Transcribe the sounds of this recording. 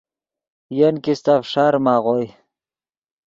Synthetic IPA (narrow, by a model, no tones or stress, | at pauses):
jenkist̪afʂaɾmaʁoj